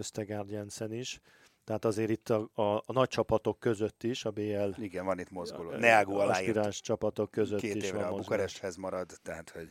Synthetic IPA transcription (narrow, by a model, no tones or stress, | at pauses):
øst̪ɛɡaːrd̪jɛnsɛniʃ | t̪ɛɦat̪ɒzeːɾit̪ːɒɒnɒc̚t͡ʃɒpɒt̪o̞kːø̞zø̞t̪ːiʃɒbeːɛliɡɛnvɒnit̪mozɡolonɛaːɡuɒlaːsjiiɾaːʃt͡ʃɒpɒt̪o̞kːøzøt̪ːiʃvʋɒɛmmobukɔɾɛʃt̪hɛzmɒɾɒd̪t̪ɛɦat̪ho̞ɟ